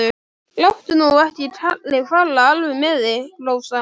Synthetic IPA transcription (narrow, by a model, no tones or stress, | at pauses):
ʏ | lawht̪ʏnuɣahc̪ɪt̪ʰalːɪfalːaalvɪmɛðɪloːwsa